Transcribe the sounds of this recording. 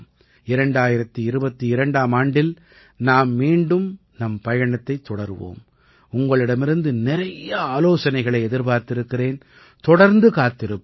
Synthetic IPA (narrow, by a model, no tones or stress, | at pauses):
m | ɪɾɐɳɖaːjɪɾɐt̪ːɯɪɾɯbɐt̪ːɯɪɾɐɳɖaːmaːɳɖɪl | naːmmiːɳɖɯm | nɐmpɐjɐɳɐt̪ːɐɪt̪ːɔɽɐɾʋo̰ːm | ʊŋɡɐɭɪɽɐmɪɾɯnd̪ɯnɪɾɐjɐaːloːsɐnɐɪɣɐɭɐɪɛðɪɾpaːɾt̪ɪɾɯkːɪreːn | t̪ɔɽɐɾnd̪ɯkaːt̪ːɪɾɯpː